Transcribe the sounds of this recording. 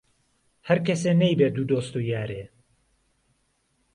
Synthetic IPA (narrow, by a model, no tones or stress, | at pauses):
hɐɾkɐseːnejbeːd̪uːd̪oːst̪uːjaːɾe